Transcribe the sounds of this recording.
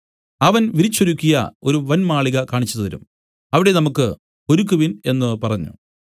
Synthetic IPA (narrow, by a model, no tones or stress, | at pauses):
ɐʋɐnʋiɾit͡ɕːoɾukʲːijɐ̰o̞ɾuʋɐnmaːɭiɣɐkaːɳit͡ɕːuððɐɾṵm | ɐʋiɽe̞nɐmukːɨ | o̞ɾukːuʋine̞nːɨpɐrɐɲːṵ